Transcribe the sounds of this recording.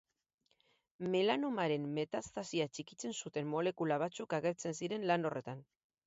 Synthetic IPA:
me̞lanomaɾe̞mːe̞t̪ast̪asiat͡ʃikit͡se̞nsut̪e̞mːo̞le̞kulaβ̞at͡sukaɣe̞ɾt͡se̞nsiɾe̞nlano̞rʔe̞t̪an

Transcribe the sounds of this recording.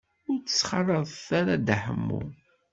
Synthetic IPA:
ʊɾt͡sːə̥sːχɑrˤːəðˤθaɾad̪əħə̰mːṵ

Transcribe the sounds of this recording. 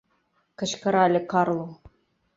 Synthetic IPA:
kɤ̆ɕkɤ̆ɾɑlʲɘ̆kɑrlˠɤ

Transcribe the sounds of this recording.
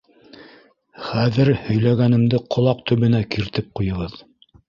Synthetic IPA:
χæðɘɾhɵ̆jlæɡænɘ̆md̪ɘqʰŏlˠɑq̚t̪ɵ̆βɵ̆nækiɾt̪ɘp̚qujɤ̆ʁɤð

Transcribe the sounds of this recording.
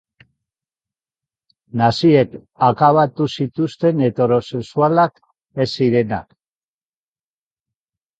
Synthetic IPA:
nasie̞k | akaβat̪usit̪ust̪e̞ne̞t̪e̞ɾo̞se̞ksualak | e̞siɾe̞na̰k

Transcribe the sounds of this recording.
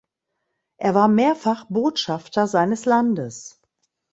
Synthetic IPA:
ʔeːɐvaːɐmeːɐfaχboːtʃaftɐzaɪnəslandəs

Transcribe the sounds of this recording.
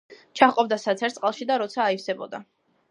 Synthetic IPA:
t͡ʃʰaχqʼɔb̚d̪asat̪sʰɛɾt̪sʼqʼalˠʃid̪aɾɔt̪sʰaːifsɛbɔ̰d̪a

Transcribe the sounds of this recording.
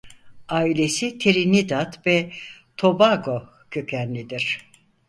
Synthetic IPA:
aːilʲe̞sit̪ʰeɾinid̪at̪vɛt̪ʰo̞baɡo | cʰøcʰænlʲid̪iɾ̥

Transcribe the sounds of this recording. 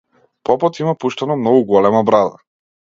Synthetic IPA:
pɔpɔt̪imapuʃt̪anɔmnɔɡuɡɔlɛmabɾad̪a

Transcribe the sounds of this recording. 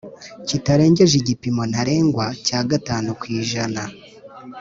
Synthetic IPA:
citaɾe̞ːɲɟe̞ʒiɟipimo̞n̥aɾe̞ːŋɡwacaːɡataːnukwiːʒana

